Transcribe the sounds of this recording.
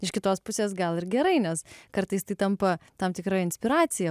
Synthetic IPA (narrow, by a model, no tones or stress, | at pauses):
ɪʃkʲɪt̪oːspʊsʲeːsɡɐlˠɪɾɡʲɛɾɐɪnʲɛskɐɾt̪ɐɪst̪ɐɪt̪ɐmpɐt̪ɐmt̪ʲɪkɾɑːɪnʲsʲpʲɪɾɑːt̪sʲɪjɛ